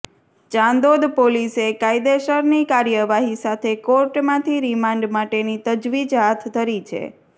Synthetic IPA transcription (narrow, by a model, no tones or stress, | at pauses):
t͡ʃãnd̪od̪polisekaid̪eʃəɾnikaɾjəʋaɦisat̪ʰekoɾʈmãt̪ʰiɾimãɳɖmaʈenit̪əd͡ʒʋid͡ʒɦat̪ʰt̪ːəɾit͡ʃʰḛ